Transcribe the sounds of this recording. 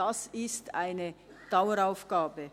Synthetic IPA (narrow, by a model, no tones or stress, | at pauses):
asɪstʰa̰ɪnə | d̥aʊəɾaʊfɡ̥aːbə